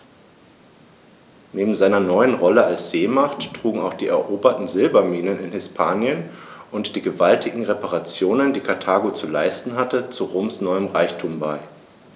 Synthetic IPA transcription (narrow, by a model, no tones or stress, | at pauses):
neːbm̩zaɪnɐnɔʏənʁɔləalsz̥eːmaχtːʁ̥uːɡŋ̩aʊxd̥iːɛ̰ɐʔoːbɐtn̩zɪlbɐmiːnənɪnhɪspʰaːnjən | ʔʊntd̥iːɡəvaltʰɪɡŋ̩ʁepaʁat͡sjoːnəndiːkʰatʰaːɡot͡sula̰ɪstn̩ɦatət͡suʁoːmsnɔʏəmʁaɪçtʰuːmbaɪ